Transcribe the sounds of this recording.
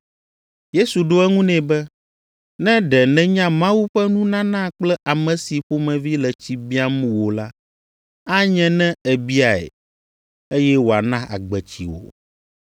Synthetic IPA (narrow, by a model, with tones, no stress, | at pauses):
je˦su˨ɖo˦ɛ˦ŋũ˦nɛ̃˨bɛ˦ | nɛ̃˦ɖɛ˨nɛ̃˨ɲã˦mã˦wu˦ɸɛ˦nũ˦nã˦nã˦k͡plɛ˦ʔa˨mɛ̃˨si˨ɸo˦mɛ̃˨vi˦lɛ˨t͡ɕi˦bi˦a˦mũ˨wo˨la˦ | a˦ɲɛ̃˦nɛ̃˦ɛ˨bi˦a˨ɛ̰˨ | e˦jɛ˦wo˨a˨nã˦ʔa̰˨ɡ͡bɛ˨t͡ɕḭ˨wo̰˨